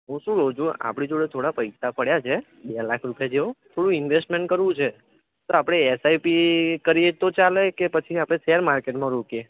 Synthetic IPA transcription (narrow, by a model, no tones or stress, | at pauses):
ɦũʃũɾod͡ʒoa̰pɽ̃id͡ʒoɽet̪ʰoɽapəjsapəɽjat͡ʃʰe | ɓelakʰɾupjad͡ʒeõt̪ʰoɽũɪnʋesʈmeɳʈ̚kəɾʋũt͡ʃʰe | t̪oapɽ̃eːsaipikəɾijet̪ot͡ʃalekepət͡ʃʰiapɽ̃esɛəɾmaɾkeʈmãɾokje